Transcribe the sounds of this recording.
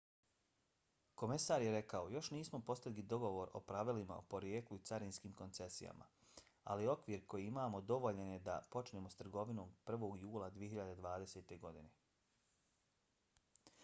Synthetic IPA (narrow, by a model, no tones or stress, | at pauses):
ko̞me̞saːɾjeɾe̞kao̞jo̞ʃniːsmo̞po̞st̪alid̪o̞ɡo̞ʋo̞ɾo̞̰pɾaʋilima̰o̰po̞ɾjeːkluit̪saɾinskiːmko̞nt̪se̞sḭja̰mʔa̰ | a̰lio̞kʋiːɾko̞jiimaːmo̞d̪o̞ʋo̞ʎenjed̪a̰po̞t͡ʃneːmo̞st̪r̩ɡo̞ʋino̞ːmpr̩ʋo̞ːɡjuːlˠad̪ʋije̞çiʎad̪e̞d̪ʋaːd̪e̞seːt̪e̞ɡo̞d̪ine̞